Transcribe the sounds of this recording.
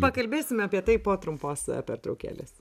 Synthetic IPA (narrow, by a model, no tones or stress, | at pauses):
pɐkɐlʲbʲeːsʲɪmʲɐpʲiɛt̪ɐɪpoːt̪ɾʊmpoːspʲɛɾt̪ɾɐʊkʲæ̰ːlʲɪs